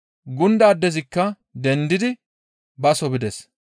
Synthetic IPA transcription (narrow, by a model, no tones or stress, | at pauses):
ɡʊnd̪ɐːd̪ːɛzɪkːɐ | d̪ɛnd̪ɪd̪ɪ | bɐsɔbɪd̪ɛs